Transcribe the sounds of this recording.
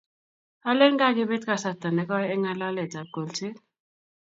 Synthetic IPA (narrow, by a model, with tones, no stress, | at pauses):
a˦le˦ŋɡa˦˨ɡɪ˦be˦tka˦˨sa˨ta˨nɛ˨kɔ˦ɛ˦ŋa˦la˦lɛ˨ta˨ɡo˨lt͡ʃɪ˦